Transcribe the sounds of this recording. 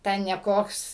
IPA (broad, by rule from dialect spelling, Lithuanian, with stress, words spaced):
ˈtʲɛn nʲɛ ˈkoːks